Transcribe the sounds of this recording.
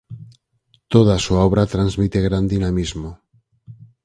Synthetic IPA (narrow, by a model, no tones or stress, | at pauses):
t̪oð̞asuaoβ̞ɾat̪ɾanzmit̪eɣɾand̪inamizmo